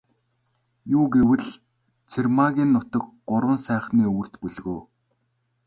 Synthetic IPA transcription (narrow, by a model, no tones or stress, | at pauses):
juːɡewɘ̆ɮ | t͡sʰermaɣʲiːnːʊt̪ə̆k̚ɢʊɾwə̆nsæːχniːɵwɵ̆r̥t̪puɮɣoː